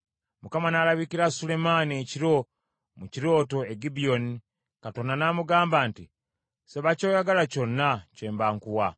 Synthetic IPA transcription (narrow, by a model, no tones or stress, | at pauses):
mukamanalaβikiɾasule̞manieciɾo̞ | muciɾo̞ːto̞eɡibio̞ni | kato̞nanamuɡaːmbaːnti | seβaco̞ːjaɡalaco̞nːaceːmbaːŋkuwa